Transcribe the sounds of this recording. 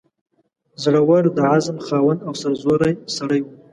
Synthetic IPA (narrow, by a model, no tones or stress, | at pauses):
zɽawaɽd̪əʕazmxɑwanawsaɾzoɾajsaɽajwu